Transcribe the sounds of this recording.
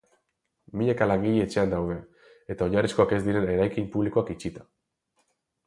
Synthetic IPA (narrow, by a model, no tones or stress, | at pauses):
miʎekalaŋɡiʎeet͡ʃe̞and̪awð̞e̞ | et̪ao̞ɲarisko̞ake̞zd̪iɾe̞ne̞ɾajkimpuβliko̞akit͡ʃit̪ḁ